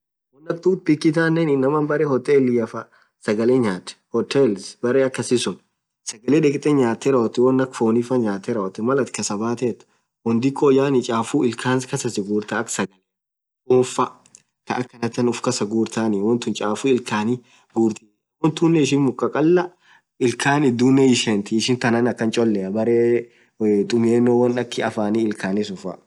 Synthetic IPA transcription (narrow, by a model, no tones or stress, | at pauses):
wɔnːɐkt̪uːt̪̚pɪkːɪt̪aːnenɪnːɐmɐnbɐɾeːhɔt̪ʼeːlːɪjɐfɐ | sɐɡɐleːɲaːt̪ɛ̥hɔt̪elsbɐɾeːɐkːɐsɪsʊn | sɐɡɐleːᶑɛkʼt̪ʼɛɲaːt̪ːeɾɐɔt̪ːɪwɔnːɐkfoːnifɐɲaːt̪ːeɾɐɔt̪ːɪmɐlɐt̪kɐsɐbaːt̪eːt̪ːʊ̥ | wɔnd̪ɪkʰːojaːnɪt͡ʃʼaːfuːɪlkʰaːnskɐsɐsɪɡuːɾt̪aːɐksɐɡɐl | ɔnfɐ | t̪ɐʔɐkːɐnɐt̪ːɐnʊfkɐsɐɡuːɾt̪aːnɪwɔnt̪ʊnt͡ʃʼaːfuːɪlkaːnɪ | ɡuːɾt̪i | wɔnt̪unːɛɪʃ̬ɪnmʊkʼːɐkʼɐlːɐ | ɪlkʰaːnɪd̪uːnːɛɪʃɛnt̪ɪɪʃɪnt̪ɐnɐnɐkːɐnt͡ʃʼɔlːɛɐbɐɾeː | t̪ʼʊmjeːnːoːwɐnɐkːɪɐfaːniɪlkʰaːnɪsʊfɐ̰